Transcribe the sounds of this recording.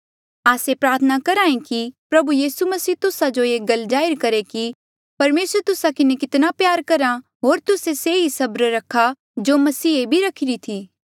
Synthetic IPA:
aːsepɾaːɾt̪ʰənakɐɾãːẽkipɾɐbujiːsumɐsiːt̪ʊsad͡ʒoeːɡɐld͡ʒaːɪɾkɐɾeki | pɐɾmeːsəɾt̪ʊsakɪnekɪt̪napjaːɾkɐɾa | ɦoːɾt̪ʊseseːisɐbɾɾɐkʰːa | d͡ʒoːmɐsiːebʱiɾɐkʰɪɾit̪ʰiː

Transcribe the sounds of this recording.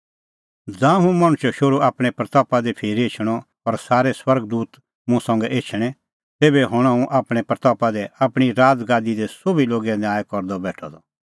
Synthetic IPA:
d͡zãːɦũmɐɽ̃ʊʃɛʃoɾuaːpɽ̃ɛpɾɐt̪ɔːpad̪ɛpʰeːɾeːt͡ʃʰɽ̃ɔ | ɔɾsaːɾɛswɐɾɡd̪uːt̪ | mũsɐ̃ŋɡɛʔeːt͡ʃʰɽ̃ɛ̃ | t̪eːbɛɦʊɽ̃ãũʔaːpɽ̃ɛpɾɐt̪ɔːpad̪ɛapɽ̃iɾaːd͡zɡãːd̪id̪ɛsobiloːɡɛ̃naːkɔɾd̪ɔbɛːʈʰɔ̰d̪ɔ

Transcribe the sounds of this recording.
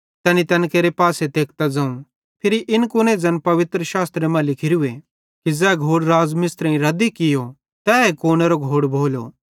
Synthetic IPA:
t̪ɛːnit̪ɐnkeːɾepaːset̪eːk̚ʰt̪ad͡zãːũ | pʰɪɾiʔɪnkʊned͡zɐnpɐʋɪt̪ɾəʃaːst̪ɾemɛ̃lɪkʰɪɾue | kid͡zɛːɡʱoːɽɾaːzmɪst̪ɾɛ̃ĩɾɐd̪ikɪjo | t̪ɛːekoːneːɾoɡʱoːɽbʱoːlo̰ː

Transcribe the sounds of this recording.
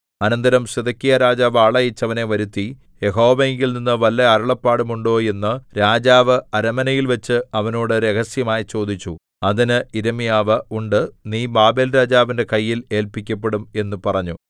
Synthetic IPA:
ɐnɐnd̪ɐɾɐmɕɐd̪ɐkʲːijɐɾaːd͡ʑaːʋaːɭɐjit͡ɕːɐʋɐne̞ʋɐɾut̪ːi | je̞ɦo̞ːʋɐeŋɡilninːɨʋɐlːɐɐɾɐɭɐpːaːɽumuɳɖo̞ːje̞nːɨɾaːd͡ʑaːʋɨɐɾɐmɐnɐjilʋɐt͡ɕːɨɐʋɐno̞ːɽɨɾe̞ɣɐsjɐmaːjit͡ɕo̞ːd̪ʱit͡ɕːu | ɐðinɨiɾɐmijaːʋɐuɳɖɨniːbaːbeːlɾaːd͡ʑaːʋinde̞kɐjːile̞ːlpikʲːɐp̬ːe̞ɽume̞nːupɐrɐɲːu

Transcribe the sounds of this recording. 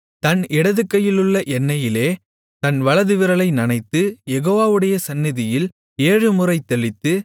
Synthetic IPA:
t̪ɐnɪɽɐðɯkːɐjɪlɯɭːɐʔɛnːɐjɪleː | t̪ɐnʋɐɭɐðɯʋɪɾɐɭɐɪnɐnɐɪt̪ːɯjɛɣoːʋaːʋɯɽɐjɐsɐnːɪðɪjɪl | eːɻɯmɯrɐɪt̪ːɛɭɪt̪ːɯ

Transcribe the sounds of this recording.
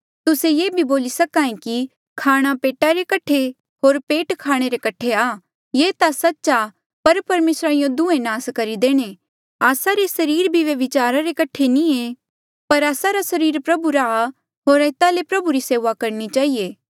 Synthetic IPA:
t̪ʊsejeːbʱiboːlisɐkaːẽki | kʰaːɽ̃apeːʈaɾekɐʈʰe | ɦoːɾpeːʈkʰaːɽ̃eɾekɐʈʰeaː | jeːt̪asɐtːʃa | pɐɾpɐɾmeːsɾaɪjõd̪ʊẽnaːskɐɾid̪eːɽ̃e | aːsaɾesɐɾiːɾbʱiʋeʋɪt͡ʃaːɾaɾekɐʈʰenĩe | pɐɾaːsaɾasɐɾiːɾpɾɐbuɾaː | ɦoːɾɛːt̪alepɾɐbuɾiseːʋakɐɾnit͡ʃaːɦijeː

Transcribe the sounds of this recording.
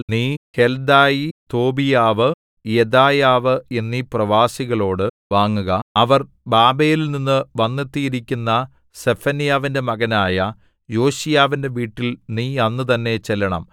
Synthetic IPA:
niːhe̞ld̪aːjit̪o̞ːbijaːʋɨ | jed̪aːjaːʋɨe̞nːiprɐʋaːsiɣɐɭo̞ːɽɨ | ʋaːŋːuɣɐɐʋɐr | baːbeːjililninːɨʋɐnːet̪ːijiɾikʲːunːɐ | sefɐnijaːʋinde̞mɐɣɐnaːjɐ | jo̞ːɕijaːʋinde̞ʋiːʈːilniːɐnːɨt̪̬ɐnːe̞t͡ɕelːɐɳɐ̰m

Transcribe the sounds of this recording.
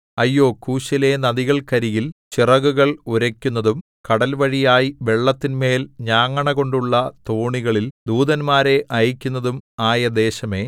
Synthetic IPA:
ɐjːo̞ːkuːɕɐle̞nɐðiɣɐɭkɐɾijilt͡ɕirɐɣuɣɐɭuɾɐkʲːunːɐðum | kɐɽɐlʋɐɻijaːjiʋe̞ɭːɐt̪ːinme̞ːlɲaːŋːɐɳɐɣo̞ɳɖuɭːɐt̪oːɳiɣɐɭild̪uːðɐnmaːɾe̞ʔɐjikʲːunːɐðumaːjɐd̪e̞ːɕɐme̞ː

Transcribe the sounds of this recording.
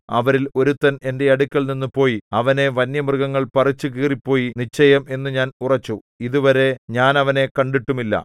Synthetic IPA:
ɐ̰ʋɐɾilo̞ɾut̪ːɐne̞nde̞ɐɽukʲːɐɭninːupo̞ːjiɐʋɐne̞ʋɐnjɐmrɨɡɐŋːɐɭpɐrit͡ɕːukiːripːo̞ːjinit͡ɕːɐjɐmʔe̞nːɨɲaːnurɐt͡ɕːu | iðuʋɐɾe̞ɲaːnɐʋɐne̞kɐɳɖiʈːumilːɐ̰

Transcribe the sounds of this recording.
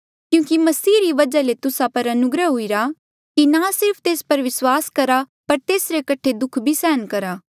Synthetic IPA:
kjũːkimɐsiːɾiʋɐd͡ʒalet̪ʊsapɐɾɐnʊɡɾəɦʊiɾaː | kinasɪɾpʰt̪eːspɐɾʋɪswaːskɐɾa | pɐɾt̪eːsɾekɐʈʰːed̪ʊkʰbʱisɛːnkɐɾaː

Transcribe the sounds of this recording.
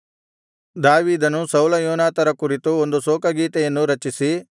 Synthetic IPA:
d̪aːʋiːd̪ɐnusɐwlɐjɔːnaːt̪ɐɾɐkuɾit̪uond̪usoːkɐɡiːʈ̪ɛjɐnːuɾɐt͡ʃisi

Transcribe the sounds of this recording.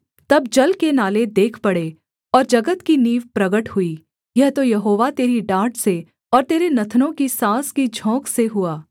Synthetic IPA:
t̪ɐbd͡ʒɐlkenaːled̪eːkʰpɐɽe | ɔːɾd͡ʒɐɡət̪kiniːʋpɾɐɡəʈhʊiː | jɛɦt̪ojɐɦoːʋat̪eːɾiɖaːʈse | ɔːɾt̪eːɾenɐt̪ʰnõkisãːskid͡ʒʱɔ̃ːkseɦuaː

